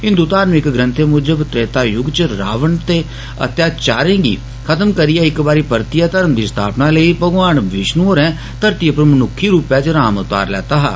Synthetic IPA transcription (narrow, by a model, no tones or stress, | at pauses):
ɦɪ̃nd̪uːt̪aːɾmɪkɡɾə̃nt̪ʰemʊd͡ʒəbt̪ɾeːt̪aːjʊɡt͡ʃɾa̰ːʋəɳt̪eː | ə̰t̪jaːt͡ʃaːɾẽːɡḭː | kʰət̪əmkəɾɪjaːɪkbaːɾiːpəɾt̪ijaːt̪əɾəmd̪iːst̪ʰaːpnãːləiːpəɡʋaːɳʋɪʃnuoːɾɛ̃ː | t̪əɾt̪iːəpəɾmənʊkʰːiːɾuːpɛːt͡ʃɾaːmət̪a̰ːɾlɛ̰ːt̪aːɦa̰ː